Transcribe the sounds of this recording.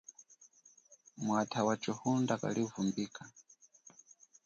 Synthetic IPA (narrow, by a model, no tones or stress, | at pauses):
mwatʰawat͡ʃɔhundaka̰liuvumbiːkʰa